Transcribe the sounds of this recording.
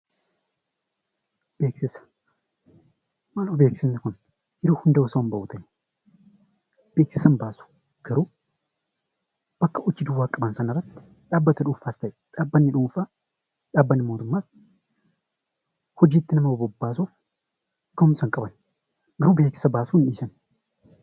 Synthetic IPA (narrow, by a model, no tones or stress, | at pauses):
b̥eːksɪsɐ̥ | mɐlobeːksɪnːɪkʊn | jɪɾuhʊnd̪ɐwɔsɐwɐmbɐʔʊt̪ʰɐj | b̥eːksɪsɐnbaːsu̥ | ɡ̥ɐɾu | b̥ɐkːɐʔɔt͡ʃːɪd̪uwaːkʼɐbɐnsɐnɐrːɐt̪ːɪ̥ | ᶑaːbːɐt̪ɐᶑuːfaːst̪ɐʔɛᶑaːbːɐnːɪᶑuːfa | ᶑaːbːɐnːɪmo̞ːt̪ʊmːaːs | hɔd͡ʒiːt̪ːɪnɐmɐbɐbɔbːaːsu | ɡ̥ɐhʊmsɐŋkʼɐbɐn | ɡɐɾubeːksɪ̥sɐbaːsuːnᶑiːsɐn